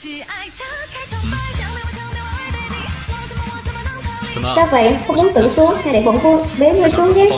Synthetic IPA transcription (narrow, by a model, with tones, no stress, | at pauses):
saː˧wvə̰˧˨jxə˧wŋ͡mmu˨˦ənt̪ɨ̰˧˩su˨˦əŋa˧ɗe˧˩wə̰˧˩nku˧ɓe˨˦nŋə˧jsu˨˦əŋze˦˥t̚